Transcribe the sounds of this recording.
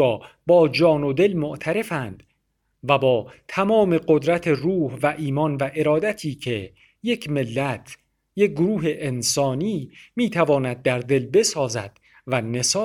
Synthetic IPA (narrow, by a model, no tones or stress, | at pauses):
ɒːbɒːd͡ʒɒːnod̪e̞lmoʔt̪ʰæɾe̞fænd̪̥ | væbɒːt̪ʰæmɒːme̞ɢod̪ɾæt̪ʰe̞ruːhvæʔiːmɒnvæʔe̞ɾɒːd̪æt̪ʰiːkʰe̞ | jekʰme̞lːæt̪ʰ | jeɡoɾuːɦeʔensɒːniːmiːt̪ʰævɒːnæd̪̚ːæɾd̪e̞lbe̞sɒːzæ̰d̪̥ | væne̞sː